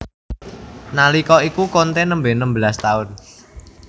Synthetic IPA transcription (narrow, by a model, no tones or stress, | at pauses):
nalikɔikukont̪enəmbenəmbəlast̪aʊn